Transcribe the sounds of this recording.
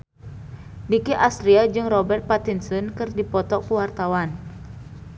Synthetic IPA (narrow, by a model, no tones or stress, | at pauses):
dikiʔast̪ɾiad͡ʒɨŋrɔbɛrt̪̚pat̪insənkɨrdipɔt̪ɔkuwart̪awan